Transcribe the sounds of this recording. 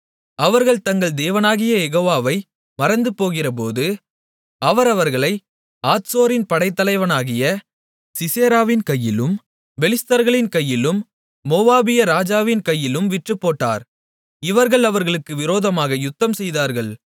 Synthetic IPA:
ɐʋɐɾɣɐɭt̪ɐŋɡɐɭd̪eːʋɐnaːɣɪjɐɛɣoːʋaːʋɐɪ | mɐɾɐnd̪ɯpːoːɣɪrɐp̬oːðɯ | ɐʋɐɾɐʋɐɾɣɐɭɐɪ | aːt̪soːɾɪnpɐɽɐɪt̪ːɐlɐɪʋɐnaːɣɪjɐ | sɪseːɾaːʋɪnkɐjːɪlɯm | ʋɛlɪst̪ɐɾɣɐɭɪnkɐjːɪlɯmː | oːʋaːbɪjɐɾaːd͡ʒaːʋɪnkɐjːɪlɯmʋɪʈrɯpːoːʈːa̰ːɾ | ɪʋɐɾɣɐɭɐʋɐɾɣɐɭɯkːɯʋɪɾoːðɐmaːɣɐjʊt̪ːɐmsɛjðaːɾɣɐɭ

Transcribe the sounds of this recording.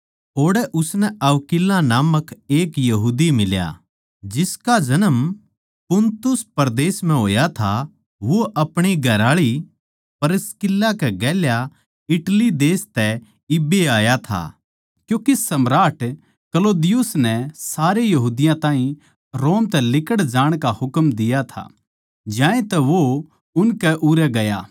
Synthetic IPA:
oːɽɛʔʊsnɛʔɐʋkɪlːãnaːməkeːkjɐɦuːd̪imɪlja̰ | d͡ʒɪskad͡ʒɐnəm | pʊnt̪ʊspɐɾd̪eːsm̤ɛ̃ɦoːjat̪ʰa | ʋoʔɐpɽ̃iɡʱɐɾaːɭi | pɐɾɪskɪlːakɛɡɛːlja | ɪʈlid̪eːst̪ɛ | ɪbeaːjat̪ʰa̰ | kjũːkisɐmɾaːʈ | kɐloːd̪ɪjʊsnɛsaːɾejɐɦuːd̪ɪjãt̪ãːɦĩ | ɾoːmt̪ɛlɪkəɽd͡ʒaːɽ̃kahʊkmd̪ɪjat̪ʰa̰ | d͡ʒãːẽt̪ɛʋo | ʊnkɛʔuːɾɛɡɐjaː

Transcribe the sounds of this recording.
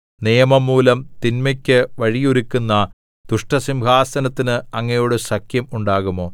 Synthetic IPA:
nijɐmɐmːuːlɐmt̪inmɐkʲːɨʋɐɻijuɾikʲːunːɐ | d̪̥uʂʈɐsimbʱaːsɐnɐt̪ːinɨɐŋːɐjoːɽesɐkʰjɐmuɳɖaːɣumo̞ː

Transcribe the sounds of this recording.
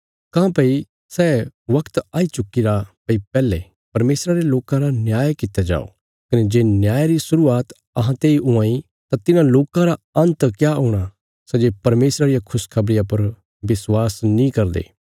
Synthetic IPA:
kãːpɐi | sɛːʋɐkt̪aːit͡ʃʊkːiɾapɐipɛːle | pɐɾmeːsɾaɾeloːkãɾanjaːjkɪt̪ːad͡ʒa̰ːo̰ | kɐned͡ʒeːnjaːjɾisʊɾuaːt̪ | ɐɦãt̪eːiʔʊãːi | t̪at̪ɪnãloːkãɾaɐ̃nt̪kjaʊɽ̃a | sɛd͡ʒeːpɐɾmeːsɾaɾɪjakʰʊskʰɐbɾɪjãpɐɾ | ʋɪswaːsnĩkɐɾd̪ḛː

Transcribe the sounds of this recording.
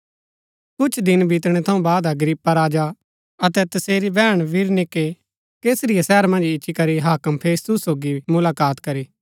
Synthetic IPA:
kʊt͡ʃʰd̪ɪnbʱit̪ɽ̃et̪ʰɐ̃ũbaːd̪ɐɡɾɪpːaɾaːd͡ʒa | ɐt̪ɛt̪ɐseːɾibɛːɽ̃ʋɪɾnɪkːe | keːsɾɪjasɛːɾmɐ̃nd͡ʒɪʃʰikɐɾiɦaːkəmpʰeːst̪ʊsːoːɡimʊlaːkaːt̪kɐɾiː

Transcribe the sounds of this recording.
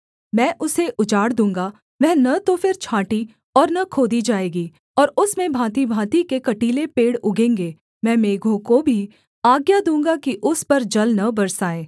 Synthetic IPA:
mɛ̃ːʔʊseʔʊd͡ʒaːɽd̪ũːŋ̆ɡa | ʋɛ̃ːnɐt̪ofɪɾt͡ʃʰãːʈi | ɔːɾnɐkʰoːd̪id͡ʒaːeːɡiː | ɔːɾʊsmẽbʱãːt̪ibʱãːt̪ikekɐʈiːlepeːɽʊɡẽːŋɡeː | mɛ̃ːmeːɡʱõkobʱi | aːɡjad̪ũːŋɡakiʔʊspɐɾd͡ʒɐlnɐbɐɾsaːeː

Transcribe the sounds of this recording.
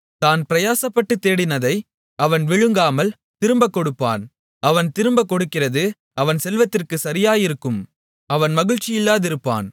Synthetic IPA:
t̪aːnpɪɾɐjaːsɐpːɐʈːɯt̪ːeːɽɪnɐðɐɪ | ʔɐʋɐnʋɪɻɯŋɡaːmɐl | t̪ɪɾɯmbɐkːɔɽɯpːa̰ːn | ʔɐʋɐnt̪ɪɾɯmbɐkːɔɽɯkːɪrɐðɯ | ʔɐʋɐnsɛlʋɐt̪ːɪrkɯsɐɾɪjaːjɪɾɯkːɯm | ɐʋɐnmɐɣɪɻt͡ʃːɪjɪlːaːðɪɾɯpːa̰ːn

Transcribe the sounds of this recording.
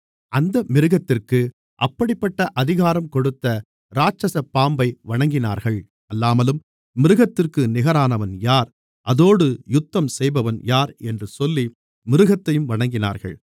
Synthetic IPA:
ʔɐnd̪ɐmɪɾɯɣɐt̪ːɪrkɯ | ʔɐpːɐɽɪpːɐʈːɐʔɐðɪɣaːɾɐmkɔɽɯt̪ːɐ | ɾaːt͡ʃɐsɐpːaːmbɐɪʋɐɳɐŋɡɪna̰ːɾɣɐɭ | ɐlːaːmɐlɯm | mɪɾɯɣɐt̪ːɪrkɯnɪɣɐɾaːnɐʋɐnjaːɾ | ʔɐðoːɽɯjʊt̪ːɐmsɛjbɐʋɐnjaːɾɛndrɯsɔlːi | mɪɾɯɣɐt̪ːɐjɯmʋɐɳɐŋɡɪna̰ːɾɣɐ̰ɭ

